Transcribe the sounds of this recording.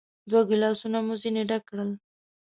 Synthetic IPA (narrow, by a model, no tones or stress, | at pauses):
d̪waɡɪlɑsunamuzineɖakɽəl